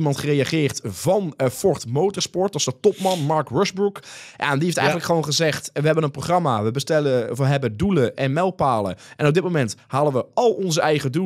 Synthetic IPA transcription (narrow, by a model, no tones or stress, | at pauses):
mɑntχərejaχɪːɹtvɑnfɔrtmowtəɹspɔɹtɑsdətɔpmɑnmɑɹkrøsbrukja̰diejftɛjənləkχəʋownχəzɛχtʋəɦɛbənənproχrɑmaːʋəbəstɛləfəɦɛbənduləʔɛnmɛlˠpaːlə̰ʔɛnɔb̚dɪt̚mowmɛnthaːləʋəɑlˠɔnzəɛjχədu